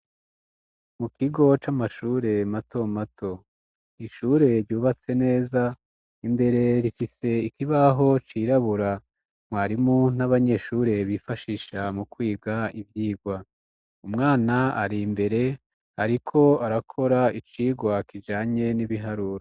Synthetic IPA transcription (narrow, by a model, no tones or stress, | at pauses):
mukiɡo̞t͡ʃamaʃuːɾe̞mato̞matʰo̞ | iʃuːɾe̞ɾɟuːβat͡se̞ne̞ːza | imbe̞ɾe̞ɾifise̞ikiβaɦo̞t͡ʃiɾaβuɾa | mwaːɾimun̥aβaɲe̞ʃuːɾe̞βifaʃiːʃamukwiːɡaivjiːɡwa | umŋaːnaaɾimbe̞ɾe̞ | aɾikʰo̞aɾakʰo̞ɾait͡ʃiːɡwakid͡ʒaːɲe̞niβiɦaɾuːɾo